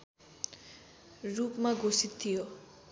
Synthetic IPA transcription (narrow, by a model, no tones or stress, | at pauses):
ɹupmaɡosit̪ʰːijoʔ